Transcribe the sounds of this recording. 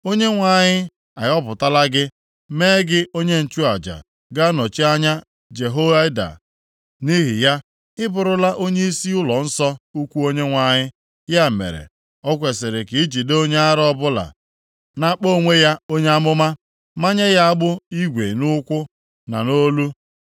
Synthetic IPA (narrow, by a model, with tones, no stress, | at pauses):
o˦ɲe˦ŋʷa˨ɲɪ˦ | a˨jɔ˦pʊ˨ta˦la˦ɡɪ˦ | meː˦ɡɪ˦o˦ɲe˦n̩˨t͡ʃu˦a˨d͡ʒa̰˨ | ɡa˦nɔ˨t͡ʃi˦a˦ɲa˦ | d͡ʒe˨ɦo˦a˦da̰˨ | ni˦ɦɪ̰˨ja˦ | ɪ˦bʊ˨ɾʊ˨la˦ʔo˦ɲe˦i˦si˦ʊ˦lɔ˨n̩˦sɔ˦u˦kʷu˦o˦ɲe˦ŋʷa˨ɲɪ˦ | ja˦˨mḛ˨ɾḛ˨ | ɔ˦kʷe˨sɪ˨ɾɪ˨ki˨i˦d͡ʒi˨de˦o˦ɲe˦a˦ɾɔ˦bʊ˦la̰˨ | na˦k͡po˦˨ŋʷe˦ja˦o˦ɲe˦a˦mʊ˦ma˦ | ma˦ɲe˦ja˦a˦ɡ͡bʊ˦i˦ɡʷḛ˨nʊ˦kʷʊ˦ | na̰˨no˦lu˦